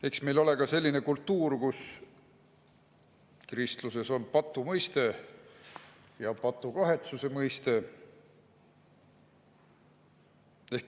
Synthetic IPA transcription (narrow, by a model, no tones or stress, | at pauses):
e̞ksme̞jlo̞le̞kɑse̞lʲːine̞kult̪ːuːrkus | krist̪luse̞so̞npɑt̪ːˑumɤjst̪e̞ | jɑpɑt̪ːˑukɑɦe̞t̪suse̞mɤjst̪e̞ | e̞hk